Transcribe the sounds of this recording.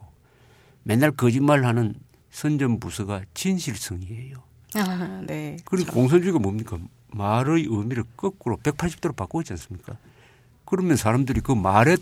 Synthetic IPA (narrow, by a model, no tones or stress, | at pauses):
o | me̞nːaɭkɯd͡ʑimːaɭhanɯn | sʰʌnd͡ʑʌmbusʰɯɡat͡ɕinɕʰiɭsʰɯŋie̞jo | nekɯɾkoŋs̬ʰʌnd͡ʑuiɡamomɲik͈a | maɾɯjɯmiɾɯɭk͈ɯk͈ɯɾope̞k̚pʰaɭɕʰip̚t͈ʰoɾopak͈oet͡ɕians͈ɯmɲik͈a | kɯɾʌmjeʌnsʰaɾamdɯɾikɯmaɾe